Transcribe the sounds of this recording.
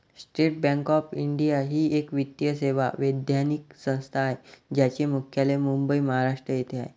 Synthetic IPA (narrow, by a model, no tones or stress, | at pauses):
sʈɾeʈ̚bɛ̃ŋkɔpiɳɖijaɦiːekʋit̪jəseʋa̰ʋəd̪janik̚sə̃w̃st̪ʰaːed͡ʑjat͡ɕemukʰjalemumbəiməɦaɾaʂʈɾəjet̪ʰeaɦe